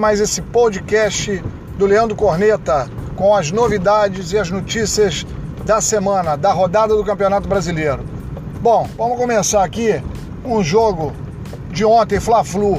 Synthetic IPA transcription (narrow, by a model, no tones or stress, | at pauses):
majzesɪpod͡ʒɪkɛʃt͡ʃɪ | d̪ʊleɐ̃nd̪ɾʊkoɾnet̪ɐkõw̃ɐznovid̪ad͡ʒɪzɪɐznot͡ʃisiɐzd̪ɐsemɐ̃nɐd̪ɐɦod̪ad̪ɐd̪ʊkɐ̃mpionat̪ʊbɾazilejɾʊ | bõw̃vɐ̃mʊkõmesaɾaki | ũʒoɡʊ | d͡ʒɪõnt̪ẽj̃flaflu